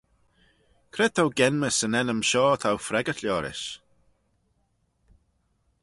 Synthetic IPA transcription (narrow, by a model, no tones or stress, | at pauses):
kʰɾɛt̪ʰawɡɛnməsənɛnəmʃɔːt̪ʰawfɾɛɡət̪ʰljɔːɾɪ̰ʃ